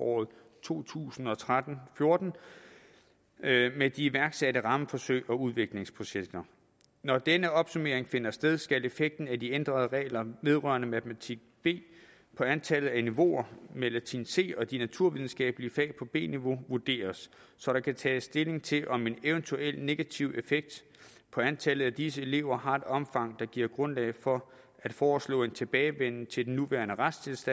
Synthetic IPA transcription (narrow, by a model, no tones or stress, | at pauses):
ɒ̰ːð̩ˠ | t͡sʰo̝̰ːt͡sʰṵːsn̩ɒ̽t͡sʰʁad̥n̩fjo̝ɐd̥n̩ | med̥iiʋæɐɡ̥sæɾəʁɑ̈məfɒ̽søɪ̰ɒ̽uð̞ˠʋe̝ɡ̥le̝ŋspʰʁo̝ɕeɡ̥̚d̥ɐ | nɒd̥enəɒ̽b̥sume̝ɐ̰eŋfe̝nɐsd̥eð̞ˠsɡ̥æle̝feɡ̥̚d̥n̩æd̥iend̥ʁɐð̞ˠəʁɛ̰ːlɐʋe̝ð̞ˠʁœ̰ɐnəmæt͡sʰmæt͡sʰiɡ̥̚b̥e̝̰ː | pʰɒ̽ænt͡sʰɛlð̩ˠæniʋo̝̰ɐmel̰t͡sʰinse̝̰ːɒ̽d̥inæt͡sʰuɐʋið̞ˠn̩sɡ̥ɛ̰ːb̥əliəfɛ̰ːpʰɒ̽b̥e̝̰ːniʋo̝ʋuɐd̥e̝̰ːɐsːɒ̽ɾ̥ɑ̈kʰæt͡sʰɛːsːd̥e̝le̝ŋt͡sʰe̝lʔɒ̽me̝neʊənt͡sʰuel̰ne̝ɡ̥æt͡sʰiʊ̰e̝feɡ̥̚d̥ | pʰɒ̽ænt͡sʰɛlð̩ˠæd̥is̬əe̝le̝ʊɐɦɑ̈e̝d̥ɒ̽mfɑ̈ŋ̰d̥ɑ̈ɡ̥iɐ̰ɡ̥ʁɔ̽nlɛ̰ɪfɒ̽ | æd̥fɒːslɔ̰ːe̝nt͡sʰe̝b̥ɛːɪʋen̰n̩t͡sʰe̝ld̥enːuʋæ̰ːɐnəʁḁst͡sʰe̝lsd̥æn